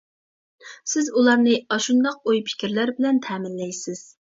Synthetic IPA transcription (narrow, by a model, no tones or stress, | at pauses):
sɪzulˠɑɾnɨɑʃund̪ɑq̚ojpʰɪ̥kʲɪɾlæɾbɪlɛnt̪ʰɛːmɪnlɛjsɪz̥